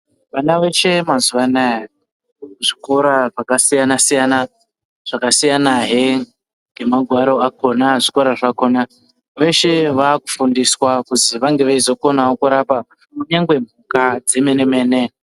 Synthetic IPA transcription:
ʋanaʋe̞ʃe̞mazuʋanaja | ʐiko̞ɾaʐakasijanasijana | ʐ̥akasijanaɦe | ŋɡe̞maɡʱwaɾo̞akʰo̞naʐiko̞ɾaʐako̞na | ʋe̞ʃe̞ʋaːku̥fundiswakuziʋaŋɡe̞ʋaizo̞ko̞naokuɾapa | muɲaŋɡwe̞m̤ukad͡ze̞me̞ne̞me̞ːne̞

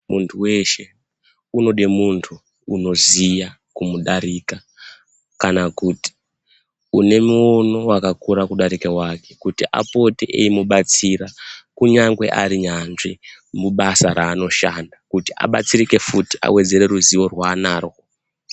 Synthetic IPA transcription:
muntʰuwe̞ʃe̞ | uno̞ɗimuntʰuː | no̞zija | kumuɗaɾika | kanakuti̥ | une̞muono̞wakakuɾakuɗaɾikewake̞kutiʔa̰po̞teʔḛimuɓat͡siɾakuɲaŋɡwe̞̰ʔa̰ɾiɲanʐi | muɓasaɾaːno̞ʃandakutiʔa̰ɓat͡sirike̞futiʔa̰we̞d͡ze̞ɾe̞ruziʋo̞rwaːnaːro

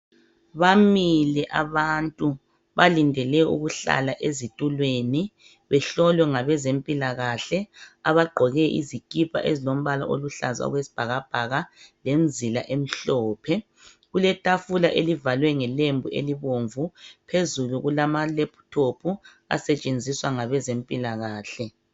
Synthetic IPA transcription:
βamilɛʔaβantʼu | βalindʱɛlɛṵɣuɬa̰laʔezitʼulweni | βɛɬɔlwɛŋaβɛzempʼilaɣaɬɛaβaɡ͡ǃʱɔɣɛʔḭzikʼipʰʼa̰ʔezilom̩βala̰ʔoluɬaza̰ɣwesi̥b̥ʱaɣab̥ʱaɣalenzʱila̰ʔem̩ɬɔːpʰɛ | ɣulɛtʼafulaʔelivalwɛŋɛlembʱuḛliβoɱvupʰezuluɣulamalepʰu̥tʰopʰu | a̰sɛt͡ʃʼend͡zʱiswaŋaβɛzempʼilaɣaːɬɛ

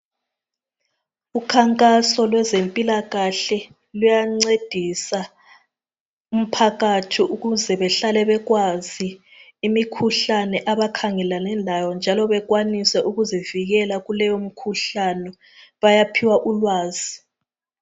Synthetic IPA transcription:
ukʰaŋkʼasɔlwɛzempʼilaɣaɬɛ | lujaŋ͡ǀed̥ʱisa | um̩pʰaɣatʰiuɣuzɛβɛɬalɛβɛɣwaziː | mikʰuɬanɛʔaβakʰaŋɛlanɛnlajɔnd͡ʒʱalɔβɛɣwanisɛʔuɣuziviɣɛlaɣulɛjom̩kʰuɬanɛ | βajapʰiwaʔulwaːzi

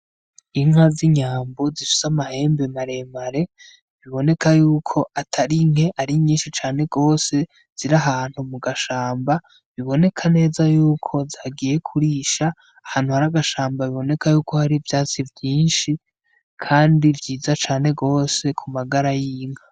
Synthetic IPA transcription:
iŋ̥haziɲaːmbo̞zifi̥samahe̞ːmbemaɾe̞maɾe̞ | βiβo̞ne̞kʰajuːkʰo̞ʔatʰaɾiŋ̥he̞ʔaɾiɲiːnʃit͡ʃaːne̞ɡo̞ːse̞ | z̥iɾaɦaːn̥humuɡaʃaːmba | βiβo̞ne̞kʰane̞ːzajuːkʰo̞zaɡije̞kʰuɾiʃaː | haːn̥huhaɾaɡaʃaːmbaβiβo̞ne̞kʰajuːko̞haɾivjaːt͡sivjiːnʃi | kʰaːndivjiːzat͡ʃaːne̞ɡo̞ːse̞kʰumaɡaɾajiːŋ̥ha

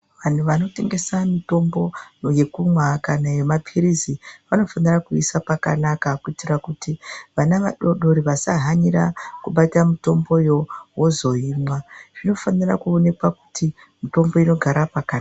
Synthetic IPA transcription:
ʋan̤uʋano̞te̞ŋɡe̞samito̞mbo̞je̞kumwakanajemapʰiriziʋano̞fanirakuisapaka̰nakakuitirakutiʋanaʋaɗo̞ɗo̞ɾiʋasaɦaɲirakuɓatamito̞mbo̞jo̞wozo̞iːmwaʐ̥ino̞fanirakuo̞ne̞kwaku̥tʰi | mito̞mbo̞ino̞ɡʱaɾapakana

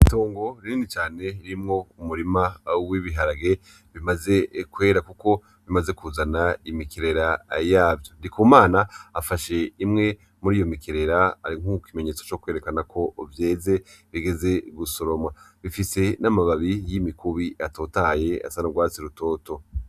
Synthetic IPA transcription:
ito̞ːŋɡo̞ɾiinit͡ʃaːne̞ɾimŋo̞umuɾimawiβiɦaɾaɡe̞ | βimaze̞kwe̞ːɾakuko̞ | βimaze̞kuzanaimikiɾe̞ɾajaːvjo̞ndikʰumaːnaːfaʃe̞imŋe̞ | muɾiːjo̞mikiɾe̞ɾaaɾiŋ̥ukime̞ɲe̞ːt͡so̥t͡ʃo̞kwe̞ːɾe̞kanakʰo̞vje̞ːze̞βiɡe̞ze̞ɡuso̞ɾo̞mwa | βifise̞namaβaβijimikʰuβiʔato̞ːtaje̞a̰sanoɡwaːt͡siɾuto̞ːto̞

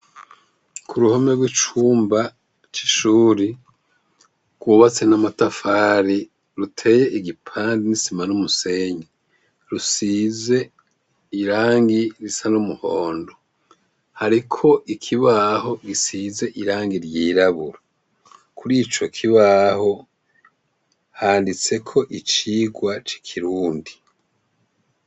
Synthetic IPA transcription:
kʰuɾuhomeɡwit͡ʃuːmba | t͡ʃiʃuːɾi | ɡ̥wuβat͡se̞namatafaːɾi | ɾutʰe̞je̞ʔiɡipʰaːndinisimanumuseɲi | ɾusize̞ | iɾaːŋɡiɾisanumuhoːndo̞ | haɾikʰo̞ʔikʰiβaɦo̞ɡisize̞ʔiɾaːŋɡiɾjiːɾaβuɾa | kʰuɾit͡ʃo̞kʰiβaho̞ | haːndit͡se̞kʰo̞ʔit͡ʃiːɡwat͡ʃi̥kʰiɾuːndi

